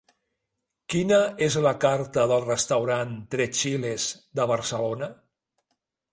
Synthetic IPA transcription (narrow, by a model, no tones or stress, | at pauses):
kinəezləkaɾt̪əðəlˠrəst̪əwɾant̪ɾɛt͡ʃilezd̪əβ̞əɾsəlonə